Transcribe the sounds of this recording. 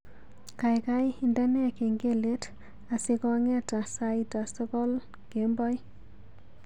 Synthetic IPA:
ka˨jkajinda˦nɛ˦ke˨ŋɡe˦le˦t | a˨si˧kɔ˦ŋɛ˦ta˨sajta˨stɔ˦kɔ˦l | ke˨mbɔ˦j

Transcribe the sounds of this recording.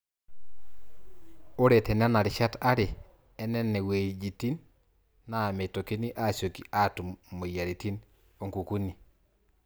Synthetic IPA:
o˦ɾe˨tɛ˨n˦a˦na˨ɾɪ˨ʃa˦ta˦ɾɪ˨ | ɛ˦nɛ˦nɛ˨we˨d͡ʒi˨ti˦nː | a˨me˨to˨ke˦ni˦ʔa˦˨sjo˨ki˨ʔa˦tu˨mo˨ja˨ɾi˨ti˦n | o˨ŋku˨ku˦ni˨

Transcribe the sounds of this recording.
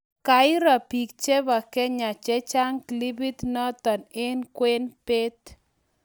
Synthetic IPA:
ka˨ɪ˦ɾa˨pi˨k̚t͡ʃe˦βa˨kɛ˦ɲa˨t͡ʃɛ˦t͡ʃa˦ŋkli˦bi˦t̪nɔ˦t̪ɔ˨ne˦nkwe˦npe˦t̪

